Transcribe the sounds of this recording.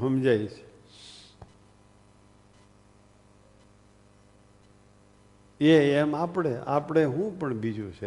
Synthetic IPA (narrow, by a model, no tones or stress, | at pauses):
əmd͡ʒait͡ʃʰe̥ | eɛmapɽ̃ea̰pɽ̃eɦũpəɳbid͡ʒũt͡ʃʰe